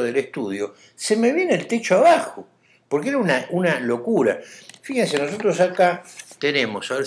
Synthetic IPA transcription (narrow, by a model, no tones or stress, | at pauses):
ðeleht̪uð̞jo̞ | se̞me̞βjeneːlt̪et͡ʃoaβaxo | poɾkeeɾaunaʔunalo̞kuɾa̰fixenseno̞s̬o̞t̪ɾosakat̪enemo̞saβe